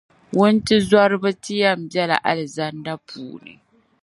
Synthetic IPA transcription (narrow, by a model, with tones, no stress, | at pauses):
wʊ˦n˦ti˦zwa˦ɾbɨ˦ti˦ja˦˨m̩˨bjɛ˦la̰˨ʔa̰˨lɪ˨za˦nda˦pʰuː˨nḭ˨